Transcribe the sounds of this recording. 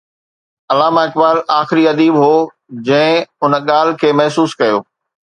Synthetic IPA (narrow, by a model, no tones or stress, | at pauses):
ɐlaːmaɪk̚baːlaːxɪɾiɐd̪iːbɦoː | d͡ʑɐ̃ɦɪ̃ʊnɠaːl̤̆kʰeːmɐɦsuːskɐjo̰ː